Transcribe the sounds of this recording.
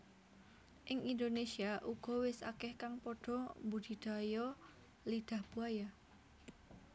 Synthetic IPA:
ʔɪŋind̪onesiaʔuɡ̥ɔ̤wɪsa̰kɛhkaŋpɔɖ̥ɔ̤mbud̪̥i̤d̪̥a̤jɔ | lid̪̥a̤hb̥uaja

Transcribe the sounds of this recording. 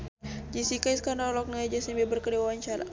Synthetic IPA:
d͡ʒisikajskanɔlɔk̚naad͡ʒasimbɛbərkədewaant͡ʃaɾa̰

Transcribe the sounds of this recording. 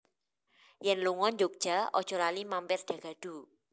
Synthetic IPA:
jɛnluŋɔnd͡ʒok̚d̥ʒ̥a̤ɔ̰d̥ʒ̥ɔ̤lalimampɪrɖ̥ä̤ɡ̥a̤ɖ̥ṳ

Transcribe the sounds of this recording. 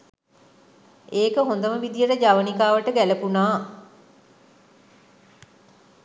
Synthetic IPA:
eːkəɦond̪əməʋid̪ijəʈəd͡ʒaʋənikaːʋəʈəɡæləpunaː

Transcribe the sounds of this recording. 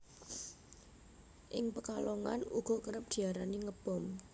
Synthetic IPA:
ʔɪŋpəkalɔŋa̰nuɡ̥ɔ̤kəɾəp̚d̪̥i̤aɾaniŋəb̥ɔm

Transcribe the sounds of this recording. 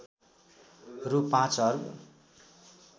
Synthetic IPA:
rupãt͡sɦʌɾu

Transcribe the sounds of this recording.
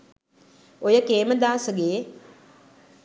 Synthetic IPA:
ojəkeːməd̪aːsəɡeː

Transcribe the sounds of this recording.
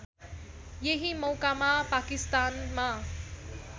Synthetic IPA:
jeɦimʌwkamapakist̪anma

